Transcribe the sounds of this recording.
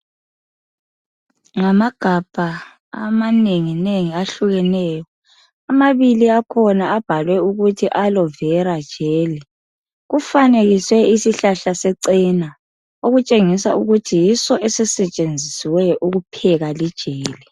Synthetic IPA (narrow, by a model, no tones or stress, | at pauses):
ŋamaɡ̥ʱab̥ʱa | a̰maneŋineŋiaɬuɣɛnɛːjɔ | amaβiliakʰɔnaab̥ʱalwɛuɣutʰiʔalɔvɛɾad̥ʒ̥ʱeːli | ɣufaneɣiswɛisiɬaɬasɛǀina | oɣut͡ʃʼeŋisa̰uɣutʰijisɔʔɛsɛsɛt͡ʃʼend͡zʱisiwɛʔuɣupʰɛɣalid̥ʒ̥ʱeːli